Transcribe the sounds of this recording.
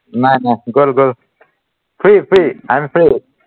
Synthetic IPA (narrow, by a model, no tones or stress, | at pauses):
nanaɡolɡol | pʰɾipʰɾiajmpʰɾi